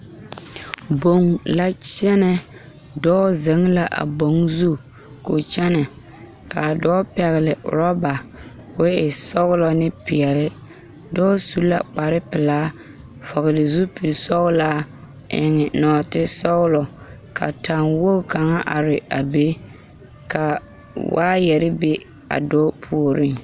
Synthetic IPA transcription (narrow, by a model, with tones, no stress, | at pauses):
bo˨ŋla˦t͡ʃɛ˦nɛ˦ | dɔː˦ze˨˦ŋ˦la˦ʔa̰˨bo˨ŋzu˦ | ko˨t͡ʃɛ˦nɛ˨ | ka˨dɔː˦pɛ˨ɣɪ˨lɪ˨ɾɔ˦ba˨ | ke˦ɪ˨sɔ˦ɣʊ˦lɔ˨nɪ˦pɪ˨ɛ˨lɪ˦ | dɔː˦su˦la̰˦k͡pa˨ɾɪ˦pɪ˨laː˦ | fɔ˨ɣɪ˨lɪ˨zu˦pi˨lsɔ˦ɣʊ˦laː˦ | ɪ̰˨ŋɪ˨nɔː˨tɪ˦sɔ˦ɣʊ˦lɔ˨ | kʰa̰˨ta˨ŋwo˦ka˨ŋa˦ʔa˨ɾɪ˨a̰˨be˦ | ka˨ | wa̰ː˦jɛ˨ɾɪ˦be˦ | a̰˨dɔː˦pʰu˨o˨ɾɪ˦ŋ